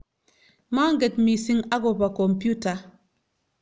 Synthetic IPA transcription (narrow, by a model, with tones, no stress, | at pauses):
ma˦ŋ˦ɡe˨tmi˨si˦ŋa˦ɡo˨pa˨ko˨mpu˦ta˨